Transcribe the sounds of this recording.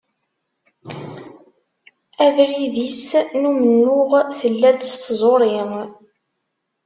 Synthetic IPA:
æðɾiðisnumənːʊʁθəlːæd̪zˤoɾˤiŋ

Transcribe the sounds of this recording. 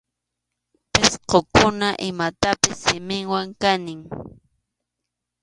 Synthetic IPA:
pɪsqokʊnaʔɪmat̪apɪsːɪmɪŋwaŋkanɪŋ

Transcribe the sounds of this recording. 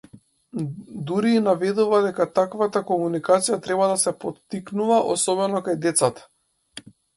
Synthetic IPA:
d̪uɾiːnavɛd̪uvad̪ɛkat̪akvat̪akɔmunikat̪sijat̪ɾɛbad̪asɛpɔt̪ːiknuvaʔɔ̰sɔbɛnɔkajd̪ɛt̪sat̪ḁ

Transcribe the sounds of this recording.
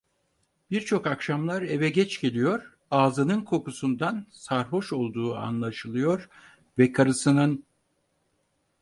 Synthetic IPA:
b̥iɾt͡ʃʰo̞kakʃamlˠaɾe̞vɛɟɛt͡ʃɟe̞lʲijo̞ɾ̥ | aːzɯnɯnkʰo̞kusund̪ansaɾɦo̞ʃo̞lˠd̪uːa̰nlˠaʃɯlˠɯjo̞ɾ | vɛkʰaɾɯsɯnɯn

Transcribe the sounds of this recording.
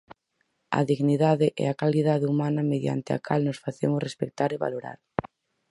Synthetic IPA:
ɐ̰ðiɣniðaðɪʔɛ̰akaliðaðɪumanɐmeðja̰nt̪ɪa̰kʰalnʊsfaθemʊsrespek̚t̪aɾeβa̰loɾa̰ɾ

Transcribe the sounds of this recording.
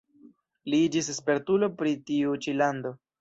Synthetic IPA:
liid͡ʒisespe̞ɾtulo̞pɾitiut͡ʃilando̞

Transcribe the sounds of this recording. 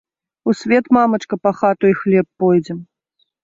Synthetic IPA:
usʲvʲɛt̪mamɐt͡ʂkɐpaxat̪uixlʲɛpːɔjd͡zʲɛm

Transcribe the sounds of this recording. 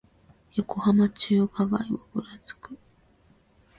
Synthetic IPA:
jo̞ko̞hamat͡ɕɨːkaɡa̰iobɯɾat͡sɨ̥kɯ̟

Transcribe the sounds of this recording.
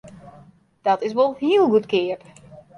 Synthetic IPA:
d̥ɔtɪs̬ʋolˠhiəlˠɡutkɪəp

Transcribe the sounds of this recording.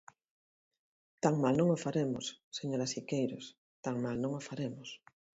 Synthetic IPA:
t̪aŋmalnõŋofaɾemʊsseɲoɾasikejɾos | t̪aŋmalnõŋofaɾemʊs

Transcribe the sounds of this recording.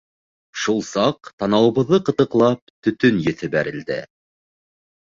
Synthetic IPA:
ʃulˠsɑqt̪ɑnɑwɤ̆βɤ̆ðːɤqɤ̆t̪ɤ̆qlˠɑp̚t̪ɵ̆t̪ɵnjɘ̆θɘ̆bæɾɘ̆ld̪ɘ̰

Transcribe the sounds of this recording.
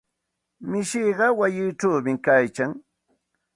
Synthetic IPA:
mɪʃiːɢɑwajɪːʈ͡ʂawmɪkajkaŋ

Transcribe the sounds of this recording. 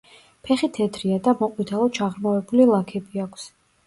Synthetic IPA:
pʰɛχit̪ʰɛd̪ʰɾiad̪amɔqʼwit̪ʰalˠɔt͡ʃʰaʁɾmavɛbulilˠakʰɛbiakʰs

